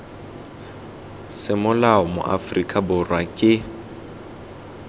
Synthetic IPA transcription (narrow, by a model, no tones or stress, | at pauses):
sɪmʊlaɔmʊ̰ʔa̰frikʼabʊrwakʼɪ